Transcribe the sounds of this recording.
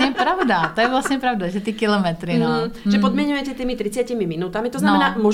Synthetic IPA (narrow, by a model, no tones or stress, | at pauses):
ɛppɾaʊd̪at̪ɔjɛʋlasɲɛpɾaʊd̪aʒɛt̪ikilɔmɛt̪ɾinɔʒɛpɔd̪mɪɛɲujɛcɛt̪iːmit̪ɾit͡sɪacimiminuːt̪amit̪ɔznamɛnaːmʊɔ